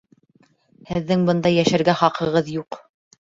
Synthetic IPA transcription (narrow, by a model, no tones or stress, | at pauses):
hɘ̆ðːɘŋbɤ̆nd̪ɑjæʃæɾɡæχɑqʰɤ̆ʁɤðjuq